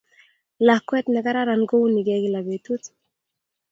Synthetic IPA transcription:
la˨hkwɛ˦t̪nɛ˨ka˦ɾa˦ɾa˨nɡo˦uni˨ɡɛɡi˦˨la˨be˨t̪u˦t̪

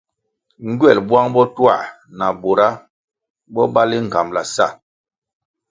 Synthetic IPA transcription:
ŋ̩˦ɡɥɛ˦˨lbwa˦ŋbɔ˦twa̰˦˨ | na˨bo˨ɾa˦ | bɔ˦ba˦li˦ŋ̩˨ɡa˨mla˨sa̰˦˨

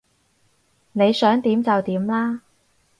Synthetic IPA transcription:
ne˨˧jsœː˨˥ŋt̪iː˨˥mt͡sɐ˨wt̪iː˨˥mlaː˥

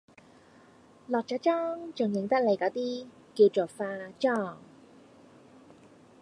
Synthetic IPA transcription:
lɔː˨k̚t͡saː˨˧˥t͡ʃɔː˥ŋt͡ʃʊ˨˩ŋjɪ˨˩ŋt̪ɐ˥k̚le˨˩jkɔː˨˥t̪iː˥ | kiː˧wt͡soː˨˩faː˧t͡ʃɔː˥˩ŋ

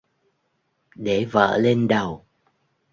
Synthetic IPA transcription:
ɗe˧˩˨və̰ː˧˨le˧nɗə˨˩w

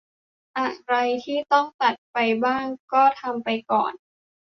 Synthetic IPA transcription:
ʔa˨˩ɾa˧jt̪ʰiː˥˩t̪ɔ˥˩ŋt̪a˨˩t̪̚pa˧jbaː˥˩ŋkɔː˥˩t̪ʰa˧mpa˧jkɔ̰ː˨˩n

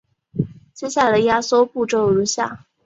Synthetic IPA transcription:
t͡ɕjɛ˥ɕja˥˩la˧˥˩d̪ə˧ja˥so˥ʊpu˥˩ʈ͡ʂo˥˩ʊɻu˧˥ɕja̰˥˩

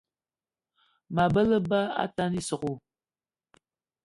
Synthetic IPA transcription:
ma˨bɐ˦lə˦ba˦a̰˦ta˦ni˦sɨ˨qʷu˨

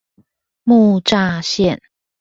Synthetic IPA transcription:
mu˥˧ʈ͡ʂa˥˧ɕjɛ˥˨n

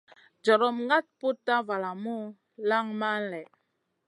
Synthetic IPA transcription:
d͡ʒɔ˨ɾɔ˦mŋa˦t̚pu˦tːa˦va˨la˨mu˦ | la˦ŋma˦nlɛ˨

